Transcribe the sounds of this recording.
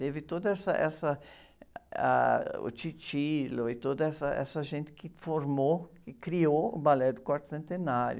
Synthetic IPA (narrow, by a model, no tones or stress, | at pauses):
t̪evɪt̪od̪ɐɛsɐ̰ʔɛsɐ | a̰ʊ̰t͡ʃit͡ʃilʊɪt̪od̪ɐɛsɐɛ̰sɐʒẽnt̪ɪ̥kɪfoɾmokɪkɾioʊbalɛd̪ʊkaɾt̪ʊ̥sẽnt̪enaɾjʊ